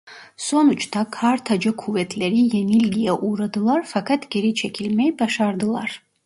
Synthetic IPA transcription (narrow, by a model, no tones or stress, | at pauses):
sɔnut͡ʃʰt̪ʰakʰaɾt̪ʰad͡ʒəkʰuvɛt̪ʰlɛɾijɛnilɡijaʔuɾad̪ɨlˠaɾfakʰat̪ʰɡɛɾit͡ʃʰɛkʰilmɛbaʃaɾd̪ɨlˠaɾ